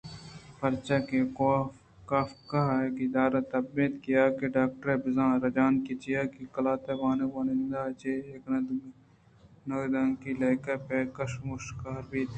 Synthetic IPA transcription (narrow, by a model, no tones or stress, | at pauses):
pɐɾt͡ʃakeo | kaːfkɐɦeːkɪd̪aːɾat̪ɐbbiːt̪kijaːkeɖaːk̚ʈɾebɪzãːɾɐd͡ʒaːnkit͡ʃijaːkikɐlaːt̪eʋaːnewɐnɪnd̪aːt͡ʃeeːknɐd̪ | noːd̪ãːŋkilɐːkɐpeːkɐʃmuʃkaːɾbiːt̪